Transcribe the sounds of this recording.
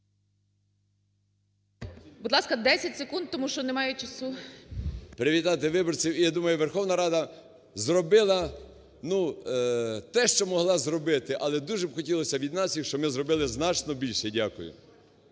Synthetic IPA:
bud̪lˠɑskɐd̪ɛsʲɐtʲsekund̪̚t̪ɔmuʃt͡ʃɔnemɑjʊt͡ʃɐsu | pɾɪʋʲit̪ɑt̪ɪʋɪbɔrt͡sʲiwijad̪umɐjʊʋerxɔwnɐɾɑd̪ɐ | zrɔbɪlˠɐ | nu | t̪ɛʃt͡ʃɔmɔɦlˠɑzrɔbɪt̪ɪʔɐlˠɛd̪uʒɛbxɔtʲilˠɔsʲɐʋʲid̪nɑsʲjixʃt͡ʃɔmɪzrɔbɪlˠɪznɑt͡ʃnɔbʲilʲʃɛdʲakʊjʊ̰

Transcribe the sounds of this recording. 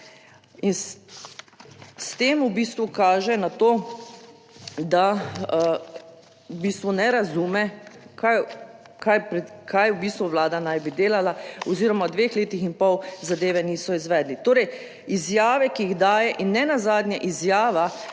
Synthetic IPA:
in | st̪eːmubist̪ʋukaːʒɛnat̪oː | d̪a | wbiːst̪ʋunɛɾazuːmɛkaj | kajpɾɛkajwbiːst̪ʋuʋlaːd̪anajbid̪eːlalaɔziɾɔmad̪ʋeːxleːt̪ixinpɔwzad̪eːʋɛniːsɔizʋɛːd̪lit̪oːɾɛj | izjaːʋɛkiiɣd̪aːjɛʔinːɛnazaːd̪njaʔizjaːʋa

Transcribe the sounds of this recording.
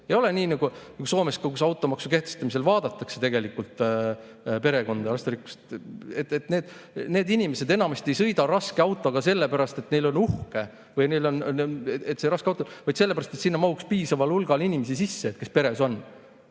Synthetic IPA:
ejo̞le̞niːnɑɡ̥unɑɡuso̞ːmeskɑkusɑwt̪ˑo̞mɑksuke̞ht̪est̪ɑmise̞lvɑːd̪̥ɑt̪ːˑɑkse̞t̪e̞ɡe̞likːult̪ˑ | pe̞ɾe̞ɡo̞nd̪̥ɑɾɑst̪eɾikːu̥st̪et̪ːet̪ne̞ːd̪̥ne̞ːd̪inʲimese̞d̪e̞nɑmɑst̪e̞jsɤ̞jd̪ɑɾɑskeɑwt̪ˑo̞ɡ̥ɑse̞lːepæɾɑst̪e̞t̪ne̞jlo̞nuhke | vɤjnejlo̞net̪seɾɑskeɑwt̪ːonvɑjd̪̥se̞lːepæɾɑst̪et̪sinːɑmɑhukspiːsɑvɑlulɡ̥ɑlinʲimes̬isisːeːt̪̚ke̞spe̞ɾe̞so̞n

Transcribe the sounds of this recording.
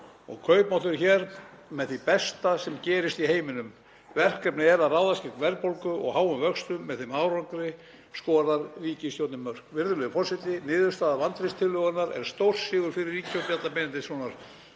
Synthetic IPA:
ɔ̰ɣkʰœɥpmɔwt̪ʏɾçɛːɾ | mɛðθipɛst̪asɛmcɛːɾɪst̪iɦeːjmɪnʏm | vɛr̥kɛpnɪɛɾaðraːwðascɪknvɛɾpowlkʏʔɔ̰ɣhaːwʏmvœkst̪ʏmːɛðθemaːwɾaŋkɾɪ | skɔːɾaɾːiːcɪst̪jowt̪nɪmœr̥kvɪɾðʏlʏfɔr̥sɪt̪ɪnɪːðʏɾ̥st̪aːðavant̪ɾɪst̪ʰɪlːœɣanaɾɛ̰ɾ̥st̪owr̥sɪːɣʏɾ̥fɪɾɪɾːiːcʰœwt̪jat̪lapɪnɪnt̪ɪsvɔnaɾ̥

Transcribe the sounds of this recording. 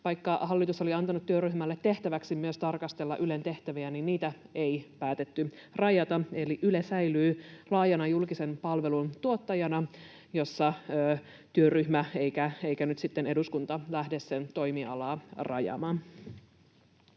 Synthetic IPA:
ʋɑjkːɑhɑlːit̪uso̞liɑnt̪ɑnut̪ːyøryhmælːet̪ːe̞ht̪æʋæksimyøst̪ɑrkɑst̪e̞lːɑ̰ʔyle̞nt̪e̞ht̪æʋiæninniːt̪æe̞jpæːt̪e̞t̪ːy | rɑjɑt̪ɑe̞liʔylesæjlyːlɑːjɑnɑjulkise̞npɑlʋe̞lunt̪uot̪ːɑjɑnɑ | jo̞sːɑøː | t̪yøryhmæe̞jkæejkænyt̪sit̪ːe̞ne̞duskunt̪ɑlæhde̞ssent̪o̞jmiɑ̰lɑːrɑ̰jɑ̰mɑn

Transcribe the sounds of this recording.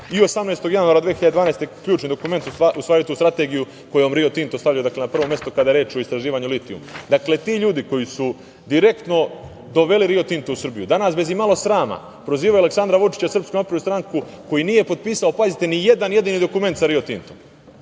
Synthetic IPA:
io̞samneːst̪o̞ɡjanuaɾad̪ʋexiʎad̪d̪ʋaːnest̪ekʎuːt͡ʃnid̪o̞kume̞nt̪uaust̪aːɾiot̪ust̪ɾat̪e̞ːɡiju | ko̞jeomɾiot̪int̪ost̪aʋʎʲajud̪akle̞napr̩ʋo̞mje̞st̪okad̪ajeɾe̞ːt͡ʃo̞ist̪ɾaʒiːʋaːɲulit̪iṵmd̪akle̞t̪iːʎuːd̪ikojisu | d̪iɾe̞kt̪no̞ | d̪o̞ʋe̞liɾio̞t̪int̪ousr̩bijud̪anaːsbe̞zimalˠo̞sɾaːma̰ | pɾo̞ziːʋaualeksand̪ɾaʋut͡ʃi̥t͡ɕasr̩pskonapɾeust̪ɾaŋku | ko̞jinije̞po̞d̪̚piːsao̞pazit̪enije̞d̪anje̞d̪iːnid̪o̞kume̞nt̪saɾio̞t̪int̪om

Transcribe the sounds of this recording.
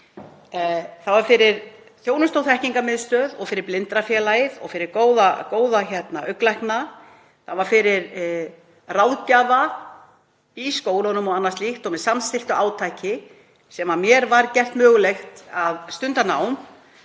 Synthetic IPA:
θavaɾfɪɾɪɾ | θjoːwnʏst̪owθɛhciŋkamɪðst̪œːðɔɣfɪɾɪɾplɪnt̪ɾafjɛːlajɪðɔ̰ɣfɪɾɪɾkoːwðakoːwðaçɛt̪naʔœklajhkna | θavaɾfɪɾɪɾ | raːwðcaːva | iskoːwlɔnʏmɔɣanːast̪lixt̪ɔmɛðsamst̪ɪl̥t̪ʏaːwt̪ʰajcɪ | sɛmamjɛɾvaɾcɛr̥t̪mœːɣʏlext̪aðst̪ʏnt̪anaːwm

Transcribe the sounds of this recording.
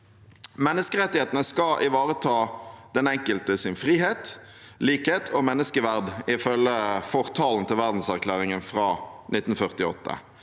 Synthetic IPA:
mɛnːəskəʁɛt̪ːɪheːt̪nəskɑʔɪʋɑːʁət̪ʰɑːd̪̥ɛnɛŋkəlt̪əsɪnfʁiːɦeːt̪ | liːkheːt̪ʰomɛnːəskəʋæʁd̪ɪfœləfɔʁt̪ʰɑːln̩t̪ʰɪlʋæʁd̪n̩sæʁklæːʁɪŋənfʁɑːnʔɪt̪ːn̩fœʁt̪ɪɔ̰t̪ːə̰

